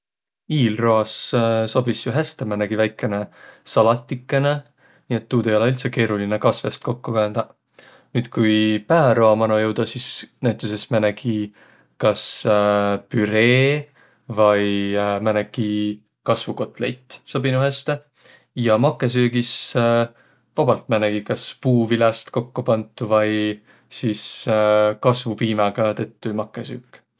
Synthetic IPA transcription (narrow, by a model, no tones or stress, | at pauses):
iːlroɑsso̞b̥isjuɦæst̪emæneɡ̥ivæjkːˑe̞nesɑlɑt̪ːˑikˑːe̞ne | niːe̞t̪ːuːd̪ejoleylt̪seke̞ːɾulinekɑsve̞st̪̚ko̞kːukɑend̪̥ɑ | nyːd̪̥kujpæːɾoɑmɑnojɤwd̪̥ɑsisnæɥt̪ːˑuse̞smæneɡ̥i | kɑs | pyɾe̞ː | vɑjmænekːi | kɑsvuko̞t̪ˑlejt̪ˑːso̞binuɦest̪e | jɑmɑkːˑes̬yːɡ̥is | vɑb̥ɑlt̪̚mæneɡ̥ikɑspuːvilɑst̪ko̞kːupɑnt̪ːˑuvɑj | sis | kɑsvupiːmɑɡ̥ɑt̪ɤt̪ːumɑkːˑesy̰ːkːˑ